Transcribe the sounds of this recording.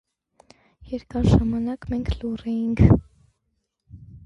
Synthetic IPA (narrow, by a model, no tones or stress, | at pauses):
jɛɾkɑɾʒɑmɑnɑkmɛŋkʰlurɛjiŋkʰ